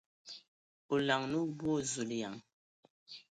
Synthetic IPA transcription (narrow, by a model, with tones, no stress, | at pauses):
o˨la˨ŋnu˦bwo˦˨zu˨lja˨ŋ